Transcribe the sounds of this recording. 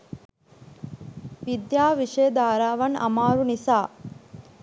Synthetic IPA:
ʋid̪jaːʋiʂeːd̪aːɾaːʋɐnɐ̰maːɾunisaː

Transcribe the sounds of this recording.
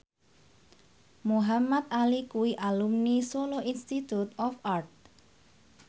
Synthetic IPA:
muɦamat̪̚alikuwiʔalumnisoloinst̪it̪ut̪ɔfʔart̪̚

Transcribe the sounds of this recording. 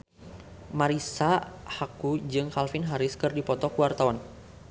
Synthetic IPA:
maɾisahakud͡ʒɨŋhalfɪnɦaɾɪskɨrdipɔt̪ɔkuwart̪awan

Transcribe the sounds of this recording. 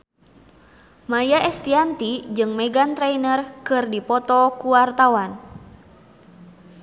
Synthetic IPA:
majaʔɛst̪iant̪id͡ʒɨŋmɛɡant̪ɾɛinərkɨrdipɔt̪ɔkuwart̪awan

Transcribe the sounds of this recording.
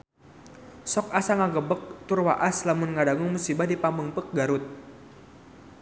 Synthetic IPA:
sɔk̚asaŋaɡəbək̚t̪ʊrwa̰ʔaslamʊnŋadaŋʊŋmusibahdipambuŋpək̚ɡaɾʊt̪̚

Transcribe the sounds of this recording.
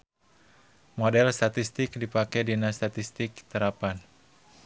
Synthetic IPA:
modɛlst̪at̪ist̪ɪkdipakɛdinast̪at̪ist̪ɪk̚t̪əɾapan

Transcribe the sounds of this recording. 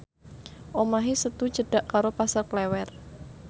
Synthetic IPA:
ʔomaɦisət̪u̥d͡ʒəɖ̥aʔkaɾopasərklɛwɛr

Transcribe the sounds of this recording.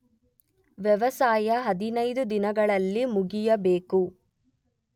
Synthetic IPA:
ʋjɛʋɐsaːjɐɦɐd̪inɐjd̪ud̪inɐɡɐɭɐlːimuɡijɐbe̞ːku

